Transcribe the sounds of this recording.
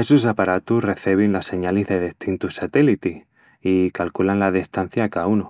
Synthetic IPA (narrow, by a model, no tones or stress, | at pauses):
esus̬apaɾat̪usre̞θeβ̞inlasːe̞ɲalizðe̞ðeht̪int̪usat̪elit̪i | ikalkulanlaðist̪an̟θjakauno